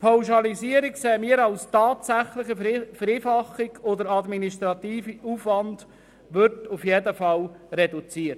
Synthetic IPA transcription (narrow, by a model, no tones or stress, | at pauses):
pʰaʊʃɑlisiəɾikseːmiːəɾɑʊstɑːtsæχlɪχəfəɾiːfɑχiɡʰɔdəɾɑd̪miniʃtɾɑt̪iːfiuːfʋɑnd | ʋʏɾtufjedəfɑlɾɛdut͡siːəɾt